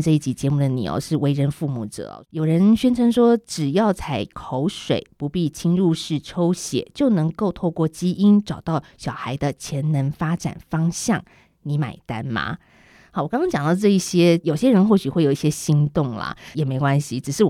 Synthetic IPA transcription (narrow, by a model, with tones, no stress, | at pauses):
ʈ͡ʂɤ˥˧i˥˩t͡ɕi˨˩t͡ɕjɛ˧˥mu˥˩d̪ə˩nḭ˨˩o̰˧˥ʂɻ̩˥˩we˧˥ɪɻə˧˥nfu˥˧mṵ˨˩ʈ͡ʂɤ̰˨˩˦jo˨˩ʊɻə˧˥nɕɥɛ˥nʈ͡ʂʰə˧˥ŋʂwɔ˥ʈ͡ʂɻ̩˨˩jɑ˥˩ʊt͡sʰa˧˥ɪkʰo˧˥ʊʂwḛ˨˩ɪpu˧˥pi˥˩t͡ɕʰi˥ŋɻu˥˧ʂɻ̩˥˩ʈ͡ʂʰo˥ʊɕjɛ̰˨˩t͡ɕjo˥˩ʊnɤ˧˥ŋko˥˧ʊt̪ʰo˥˧ʊkwɔ˥˩t͡ɕi˥ʔi˥nʈ͡ʂɑ˨˩ʊt̪ɑ˥˩ʊɕjɑ˨˩ʊxa˧˥ɪd̪ə˧t͡ɕʰjɛ˧˥nnə˧˥nfa˥ʈ͡ʂa̰˨˩nfɑ˥ŋɕjɑ˥˩ŋ | ni˧˥ma̰˨˩ɪt̪a˥nmɐ̰˨˩ | wɔ˨˩kɑ˥ŋkɑ˥ŋt͡ɕjɑ˨˩ŋd̪ɑ˥˧ʊʈ͡ʂɤ˥˧i˥˩ɕjɛ˥jo˨˩ʊɕjɛ˦˥ɻə˧˥nxwɔ˥˩ɕy˨xwe˥˩jo˨˩i˥˩ɕjɛ˦˥ɕi˧˥ŋt̪ʊ˥˩ŋlɐ̰˨˩jɛ˨˩me˧˥ɪkwa˥nɕi˨ʈ͡ʂɻ̩˨˩ʂɻ̩˥˩w